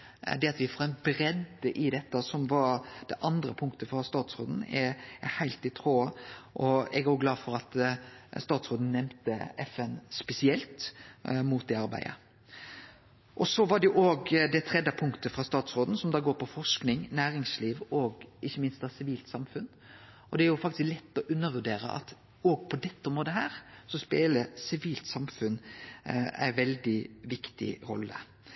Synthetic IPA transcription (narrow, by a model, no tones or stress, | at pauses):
d̪ɛɑt̪ʋɪfoɛnbɾɛd̪əʔɪd̪ɛt̪ːəsɔmʋɑɾd̪̥ɛʔɑnd̪ɾə̰pʰʊŋkt̪əfɾɑst̪ɑːt̪sɾo̰ːd̪n̩ɛæhæɪlt̪ɪt̪ʰɾoːəʔɔɛɡæɾjʊɡlɑːdfɔɾɑt̪st̪ɑːt̪sʁoːd̪n̩nːɛmt̪əɛfɛnspɛsɪɛlt̪muːt̪̚d̪ɛɑɾbæ̰ɪə̰ | ʔɔsɔʋɑɖ̪ɛʊʔoːɡd̪ɛt̪ʰɾɛd̪ɑpʰʊŋkt̪əfɾɑst̪ɑːt̪sɾoːd̪n̩sɔmd̪ɑːɡoːɾpɔfɔʂknɪŋnæːɾɪŋsliːʋɔɡʔɪçːəmɪnst̪ɑsɪʋiːlt̪sɑmfʉn | ʔɔd̪ɛæɾjʊfɑkt̪ɪsklɛt̪ːɔʔʉnːəɾʋʉɖeːɾə̰ʔɑ̰t̪ | oːɡ̚pʰɔd̪ɛt̪ːəɔmoːd̪əɦæːɾsɔspeːləsɪʋiːlt̪sɑmfʉn | æ̰ɪʋɛld̪ɪʋɪkt̪ɪ̰ɾɔ̰lːə̰